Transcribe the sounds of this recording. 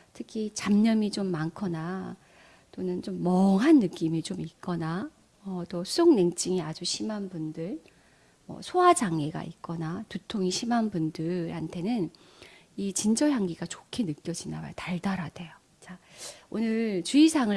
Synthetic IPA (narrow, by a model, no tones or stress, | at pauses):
tʰɯkʰit͡ɕamɲʌmit͡ɕomːankʰʌna | t͈onɯnt͡ɕomːʌŋɦanːɯk͈imit͡ɕomik͈ʌna | ʌt͈ʌsʰusʰoŋneŋt͡ɕ͈iŋiad͡ʑuɕʰimanbundɯɭ | mʌ̰sʰoɦad͡ʑaŋe̞ɡa̰it̚k͈ʌnatutʰoŋiɕʰimanbundɯɾhantʰe̞nɯn | it͡ɕind͡ʑʌjaŋɡiɡat͡ɕo̥kʰe̞nɯk͈jʌd͡ʑinaba̰jotaɭdaɾade̞jo | t͡ɕaonɯɭt͡ɕuisʰaŋɯ